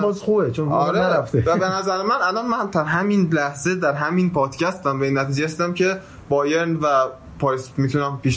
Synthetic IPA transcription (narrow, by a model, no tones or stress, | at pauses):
bɒːzxubet͡ʃʰonɒɾeɾæft̪evæbenæzæɾemænælɒnmæmt̪ʰæɾɦæminlæhze̞d̪æɾɦæminpʰɒːd̪̥cʰæst̪æmvæiːnːæt̪ʰiːd͡ʒeæsd̪æmcʰe̞ | bɒːjeɾnvæ | pʰɒːjsmit̪ʰunæmpiːʃ